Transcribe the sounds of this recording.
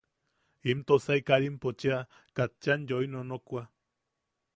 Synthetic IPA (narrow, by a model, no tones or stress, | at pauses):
imt̪osaikaɾimpot͡ʃia | kat͡ʃanjoinonokʷa